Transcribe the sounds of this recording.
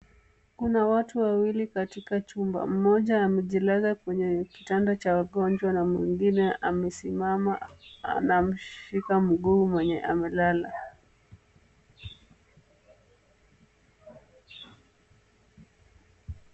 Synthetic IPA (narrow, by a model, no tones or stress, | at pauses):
kunawatuwawilikatikat͡ʃumba̰m̩mɔʄaːmɛʄilaɣakwɛɲɛki̥tandat͡ʃawaɠɔnd͡ʒwanamwiŋɡinɛʔamɛsimamanam̩ʃikam̩ɠuːmwɛɲɛ̰ʔa̰mɛlala̰